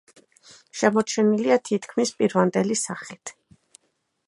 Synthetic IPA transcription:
ʃɛmɔt͡ʃʰɛniliat̪ʰit̪ʰkʰmispʼiɾvand̪ɛlisaχit̪ʰ

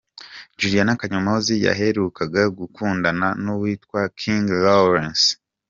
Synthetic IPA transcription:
d͡ʒuɾijanakaɲomozija̰ɦe̞ɾukaɡaɡukuːndananuwiːtkwakʰiŋɡloɾens

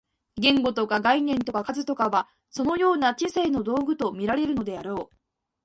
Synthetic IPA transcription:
ɡẽ̞ŋɡo̞t̪o̞kaɡainẽ̞nt̪o̞kakazɨt̪o̞kaβa | so̞no̞jo̞ːnat͡ɕiseːno̞d̪o̞ːɡɯ̟t̪o̞mʲiɾaɾe̞ɾɯ̟no̞d̪e̞aɾo̞ː

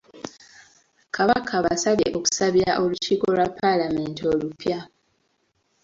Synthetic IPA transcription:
kaβakʰaβasaβje̞ʔoku̥saβiɾaʔo̞luciːko̞lwapːalame̞ːntio̞lupja

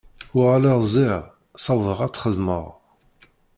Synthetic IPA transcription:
ʊʁalæʁzˤiʁ | sɑvˤəʁæt͡sːχəðmə̰ʁ

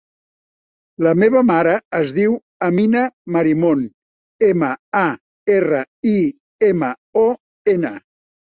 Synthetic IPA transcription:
ləmeβəmaɾəːzðiw | əminəməɾimon | eməa | erə | i | emə | ɔ | enə

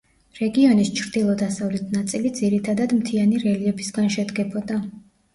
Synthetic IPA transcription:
ɾɛɡiɔnist͡ʃʰɾd̪ilˠɔd̪asavlɛt̪ʰnat̪sʼilid̪ziɾit̪ʰad̪ad̪mt̪ʰianiɾɛliɛbisɡanʃɛd̪ɡɛbɔd̪a

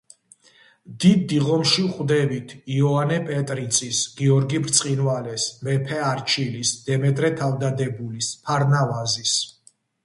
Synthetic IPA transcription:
d̪id̪ːiʁɔmʃivχd̪ɛbit̪ʰiɔanɛpʼɛt̪ʼɾit̪sʼʰisɡ̥iɔɾɡibɾt̪sʼqʼinvalɛsmɛpʰɛaɾt͡ʃʰilisd̪̥ɛmɛt̪ʼɾɛt̪ʰavd̪ad̪ɛbulispʰaɾnavazis

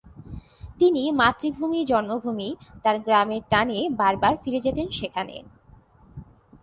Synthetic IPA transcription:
t̪inimat̪ːɾibʱumid͡ʑɔnmobʱumit̪aɾɡɾameɾʈanebaɾbaɾfiɾed͡ʑet̪enʃekʰanḛ

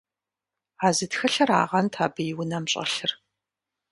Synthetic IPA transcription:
aːzɨtxɐɬɐra̰ːʁɐntʰaːbɨjɪwʊnɐmɕʼɐ̰ɬɨr

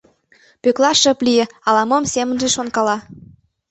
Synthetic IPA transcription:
pøklɑʃə̆plijĕɑlɑmomsemə̆nʒeʃonkɑlɑ

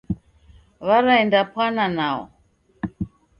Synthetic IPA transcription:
βaɾaɛndapʰwananaɔ̰

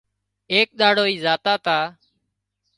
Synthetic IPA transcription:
eːk̚ɗ̪aːɽoːiːzaːt̪aːt̪aː

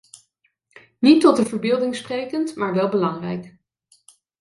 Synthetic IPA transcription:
nitɔtəvəɹbɪːlˠdɪŋsprejkəntmaːɹʋɛlˠbəlɑŋrɛ̰jk

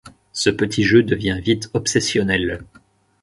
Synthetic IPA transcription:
səpət̪ʰiʒød̪əvjɛ̃vit̪ɔpsesjɔnɛl

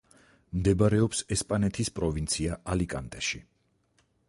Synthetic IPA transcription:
md̪ɛbaɾɛɔpsɛspʼanɛt̪ʰispʼɾɔvint̪sʰiaʔalikʼa̰nt̪ʼɛʃi

